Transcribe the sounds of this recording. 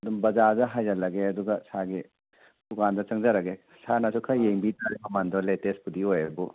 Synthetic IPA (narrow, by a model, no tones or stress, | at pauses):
ɐdumbɐzadɐɦajɐlɐɡeɐduɡɐsaɡi | dukandɐt͡ʃɐŋd͡ʒɐɾɐɡe | sanɐsukʰajeŋbitaɾimɐmandɔletespudiojɐbu